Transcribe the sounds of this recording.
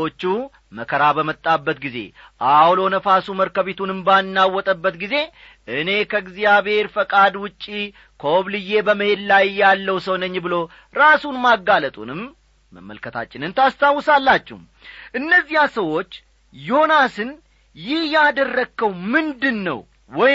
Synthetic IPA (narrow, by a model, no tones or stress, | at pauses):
ot͡ʃːu | məkʰəɾabəmət̪ʼːabːət̪ɡize̞̰ | ʔawlo̞nəfasuməɾkəβet̪unɨmbanːawːɔt̪ʼəbːət̪ɡize̞ | ʔɨne̞kʰəɡzijaβhe̞ɾfəkʼad̪wʊt͡ʃʼːi | kʰoβlɨje̞bəməhe̞d̪lajjːalːəwsəwnəɲːbɨlo̞ | ɾasunmaɡːalət̪ʼṵnɨmː | ə̰mːə̰lkʰət̪ʰa̰t͡ʃʼːɪnɨnt̪ʰast̪ʰawːɨsalːat͡ʃːɛ̰hm | ʔɨnːəzːihasəwo̞t͡ʃː | joonasɨn | jɪhjad̪ərːəkʰːəwmɨnd̪ɨnːə̰w | wɔ